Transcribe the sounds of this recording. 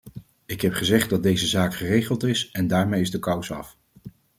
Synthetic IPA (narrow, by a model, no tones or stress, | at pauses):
ɪkɦɛpχəzɛχt̚dɑd̚dejzəzaːkχərejχəlˠtɪsɛndaːɹmejɪzdəkʌwsɑ̰f